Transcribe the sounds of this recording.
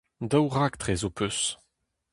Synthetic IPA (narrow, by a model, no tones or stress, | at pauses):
dawʁakt̪ʁɛzopʰøs